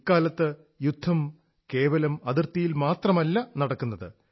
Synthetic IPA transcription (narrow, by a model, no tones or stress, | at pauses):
kːaːlɐt̪ːɨ | jud̪ʱːɐm | ke̞ːʋɐlɐmɐðirt̪ːijilmaːt̪rɐmɐlːɐnɐɽɐkːunːɐðɨ̰